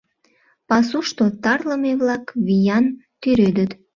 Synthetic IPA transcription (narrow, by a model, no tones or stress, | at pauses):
pɑsuʃt̪ot̪ɑrləmeβlɑkβijɑnt̪yɾød̪ət̪